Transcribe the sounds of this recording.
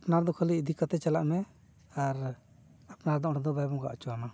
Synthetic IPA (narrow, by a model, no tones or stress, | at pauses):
apnaɾd̪ɔkʰɔlid̪ʱikat̪ɛt͡ʃalaʔmɛ | aɾ | apnaɾd̪ɔʔɽɔd̪ɔbajbɔŋɡa̰ʔat͡ʃɔana